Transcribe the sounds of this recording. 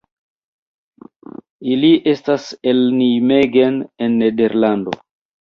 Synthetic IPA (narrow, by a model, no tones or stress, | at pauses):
iliʔe̞staselnimeɡenenːede̞ɾlando̞̰